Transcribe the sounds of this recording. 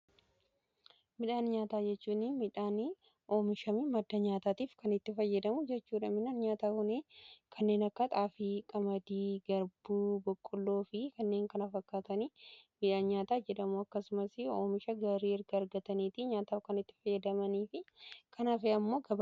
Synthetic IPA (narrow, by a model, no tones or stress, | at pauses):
mɪᶑaːnɲaːt̪aːd͡ʒɛt͡ʃːuːnːɪmɪᶑaːn | ʔo̞ːmɪʃɐmɪmɐd̪ːɐɲaːt̪aːt̪iːfkɐnɪt̪ːɪfɐjːɐd̪ɐmʊd͡ʒɛt͡ʃːuːᶑɐmɪᶑaːnɲaːt̪aːkʊneːkʰɐnːe̞ːnɐkːɐt̪ʼaːfikʼɐmɐd̪iːɡɐɾbuːbɔkʼːɔlːo̞ːfɪkɐnːe̞ːŋkɐnɐfɐkːaːt̪ɐnimɪᶑaːnɲaːt̪aːd͡ʒɛᶑɐmuɐkːɐsʊmɐsɪoːmɪʃɐɡaːɾiːɪɾɡɐːɾɡɐt̪ɐniːt̪ɪɲaːt̪aːfkɐnɪt̪ːɪ̥fɐjːɐd̪ɐmɐniːfɪkʰɐnaːfɛɐmːo̞ːɡɐb